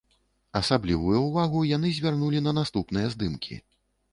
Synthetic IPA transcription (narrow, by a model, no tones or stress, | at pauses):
ɐsablʲivujuwvaɣujan̪ɨzʲvʲarnulʲinɐnast̪upn̪ɨjɐzd̪ɨmkʲʰḭ